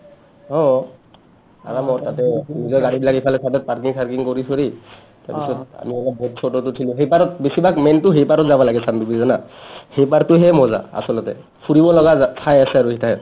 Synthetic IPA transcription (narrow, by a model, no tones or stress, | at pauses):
ɔ | a̰ɹamɔtatɛnizɔjɡaɹibilakipʰalɛtʰatɔt̚paɹkiŋpʰaɹkiŋkoɹisʰoɹi | tapisɔt̚a̰miɛlɔbɔd̚t͡ʃʰotɔtʊtʰilũɦejpaɹɔt̚besibʱakmɛntʊɦejpaɾɔtzabɔlaɡɛsandukizanahejpaɹtʊɦɛmɔza̰a̰sɔlɔtɛ̰ | fʰuɹibɔlɔɡatʰajasɛaɹuitʰaɛj